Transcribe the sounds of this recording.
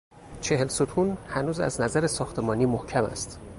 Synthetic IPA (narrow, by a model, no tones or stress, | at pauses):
t͡ʃʰe̞helsot̪ʰuːnhænuːzæ̰znæzæɾesɒːxt̪ʰe̞mɒːniːmohcʰæmæ̰st̪